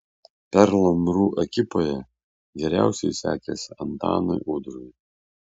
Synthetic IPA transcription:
pʲɛɾlˠɐmɾuːʔɛkʲɪpoːjɛ | ɡʲɛɾʲæˑʊsʲɛɪsʲæ̰ːkʲɛsʲɐnt̪ɑ̰ːnoɪʔʊd̪ɾʊj

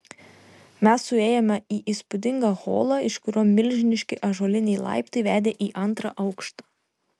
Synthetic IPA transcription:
mʲɛsːʊeːjɛmʲɛiːʔiːspʊd̪ʲɪŋɡɑɣo̰ːlˠɑɪʃkʊɾʲoːmʲɪlʲʒʲɪnʲɪʃʲkʲɪʔɐʒoːlʲɪnʲɛjlˠɐ̰ɪpt̪ɐɪʋʲæːd̪ʲeːʔiːʔɐnt̪ɾɑ̰ːʔɐʊkʃt̪ɐː

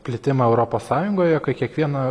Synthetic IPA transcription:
pʲlʲɪt̪ʲɪmɐɛʊɾoːpoːssɑːjʊŋɡoːjɛkɐɪkʲiɛkʋʲiɛnɐ

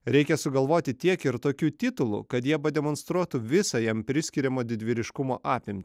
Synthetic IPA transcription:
ɾʲɛɪkʲɛsʊɡɐlˠʋoːt̪ʲɪt̪ʲiɛkɪɾt̪oːkʲuːt̪ʲɪt̪ʊlˠṵːkɐt̪jiɛpɐd̪ʲɛmɔnst̪ɾuɔt̪ʊʋʲɪsɐjɛmpʲɾʲɪsʲkʲɪɾʲɛmoːd̪ʲɪd̪ʲʋʲɪɾʲɪʃkʊmoːʔɑːpʲɪmʲt̪ʲɪ

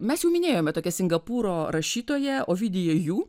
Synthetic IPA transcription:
mʲɛsjɛʊmʲɪnʲeːjoːmʲɛt̪oːkʲɛsʲɪŋɡɐpuːɾoːɾɐʃʲiːt̪oːjɛoːʋʲɪd̪ʲɪjoːjuː

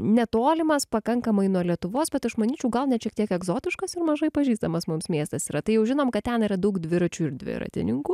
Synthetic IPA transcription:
nʲɛt̪oːlʲɪmɐspɐkɐŋkɐmɐɪnuɔlʲiɛt̪ʊʋoːsbʲɛt̪ɐʃmɐnʲiːt͡ʃʲɛʊɡɐlˠnʲɛʃʲiɛk̚t̪iɛkɛɡzoːt̪ʲɪʃkɐsɪɾmɐʒɐɪpɐʒʲiːst̪ɐmɐsmʊmsmʲeːst̪ɐsiːɾɐt̪ɐɪjɛʊʒʲɪnoːmkɐt̪̚ʲt̪ʲɛniːɾɐd̪ɐʊkd̪ʲʋʲɪɾɐt͡ʃʲuɪɾd̪ʲʋʲɪ̰ɾɐ̰t̪ʲɪ̰nʲɪŋkuː

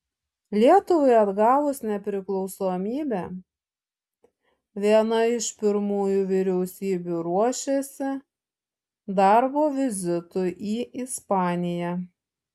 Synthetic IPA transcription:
lʲiɛt̪ʊʋɐɪɐd̪ɡɑːʋʊsnʲɛpʲɾʲɪklˠɒʊsoːmʲiːbʲæː | ʋʲiɛnɐɪʃpʲɪɾmuːjuʋʲɪɾʲɛʊsʲiːbʲuːɾuɔʃʲesʲɪ | d̪ɑɾboːʋʲɪzʲɪt̪ʊʔiːɪspɑːnʲɪjæ

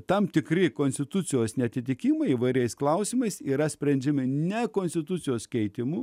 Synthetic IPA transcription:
t̪ɐmt̪ʲɪkɾʲɪkoːnsʲt̪ʲɪt̪ʊt̪sʲɪjoːsnʲɛɐt̪ʲɪt̪ʲɪkʲimɐɪiːʋɐɪɾʲɛɪsklˠɐʊsʲiːmɐɪsiːɾɐsʲpʲɾʲɛnʲd͡ʒʲɪmʲɪnʲɛkoːnʲsʲt̪ʲɪt̪ʊsʲɪjoːskʲɛɪt̪ʲɪmu

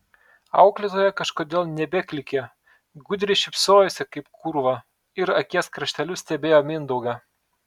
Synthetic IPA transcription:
ɐ̰ʊklʲɪt̪oːjɛkɐʃkoːd̪ʲeːlˠnʲɛbʲɛkʲlʲɪkʲe | ɡʊd̪ʲɾʲɪʃʲɪpsoːjosʲɛkɐɪpkʰʊɾʋɐ | ɪɾɐkʲiɛskɾɐʃʲt̪ʲɛlʲʊsʲt̪ʲɛbʲeːjoːmʲɪnd̪ɐʊɡɐ

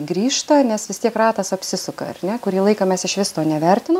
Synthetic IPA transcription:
ɡɾʲiːʃt̪ɐnʲɛsʋʲɪst̪ʲiɛkrɑːt̪ɐsɐpʲsʲɪsʊkɐ̰ɐ̰rnʲɛkʊɾʲiːlˠɐɪkɐmʲɛsɪʃʋʲɪst̪oːnʲɛʋʲɛrʲt̪ʲɪno

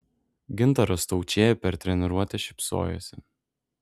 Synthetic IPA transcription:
ɡʲɪnˑt̪ɐɾɔst̪ɔʊt͡ʃʲeːjɛpʲɛɾt̪ʲɾʲɛnʲɪɾuɔt̪ʲɛʃʲɪ̥pso̰ːjo̰ːsʲɪ

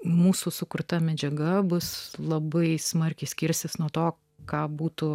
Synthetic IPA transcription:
muːsʊsʊkʊrt̪ɐmʲɛd͡ʒʲɛɡɐbʊslˠɐbɐɪsmɐɾʲkʲɛɪsʲkʲɪɾʲsʲt̪ʲɪsnuɔt̪oː | kɑːbuːt̪ʊ

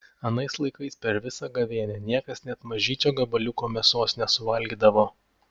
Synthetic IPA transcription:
ɐnɐɪslˠɐɪkɐɪspʲɛɾʋʲɪsɐɡɐʋʲeɛnʲɛnʲiɛkɐsnʲɛt̪mɐʒʲiːt͡ʃʲoːɡɐbɐlʲʊkoːmʲɛsoːsnʲɛsʊʋɐlʲɡʲid̪ɐʋoː

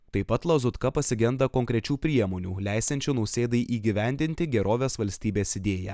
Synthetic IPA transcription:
t̪ɐɪpːɐt̪lˠɐzʊt̪kɐpɐsʲɪɡʲɛnd̪ɐkoŋʲkɾʲɛt͡ʃʲuːpʲɾʲiɛmoːnʲuːlʲæɪsʲɛnʲt͡ʃʲunɐʊsʲeːd̪ɐɪʔiːɡʲɪʋʲɛˑnʲd̪ʲɪnʲt̪ʲɪɡʲɛɾoːʋʲeːsʋɐlʲsʲt̪ʲiːbʲeːsɪd̪ʲeːjæ̰

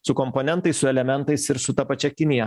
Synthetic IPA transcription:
sʊkɔmponʲɛnt̪ɐɪsʊɛlʲɛmʲɛnt̪ɐɪsɪɾsʊt̪ɐpɐt͡ʃʲɛkʲɪnʲɪjɛ

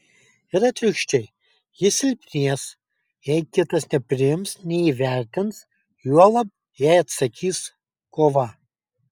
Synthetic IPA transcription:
ɪɾɐt̪ʲɾʲɪkʃʲt͡ʃʲɛɪ | jɪsʲɪlʲpʲnʲiɛs | jɛɪkʲɪt̪ɐsnʲɛpʲɾʲɪjɪmsnʲɛiːʋʲæɾʲt̪ʲɪns | juɔlˠɐp̚ | jɛɪɐt̪sɐkʲiːs | koːʋɐ

